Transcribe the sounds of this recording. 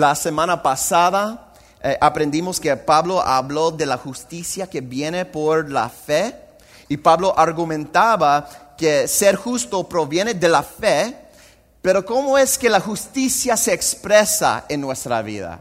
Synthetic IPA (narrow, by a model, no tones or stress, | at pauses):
lasemãnapasaða | ʔapɾe̞nd̪imoske̞paβlo̞ʔa̰βlo̞ðe̞laxust̪isjake̞βje̞ne̞poɾla̰fe | ipaβlo̞ʔaɾɣumẽnt̪aβakeseɾxust̪o̞pɾo̞βje̞ne̞ðe̞lafe | peɾo̞ko̞moe̞ske̞laxust̪isjase̞ːkspɾesa̰e̞nːwe̞st̪ɾa̰βḭða̰